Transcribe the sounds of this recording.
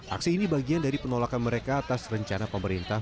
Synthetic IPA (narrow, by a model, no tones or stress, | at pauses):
ʔa̰ksiːnibaɡiandaɾipənolakanməɾekaːt̪asrəɲt͡ʃanapəməɾint̪ah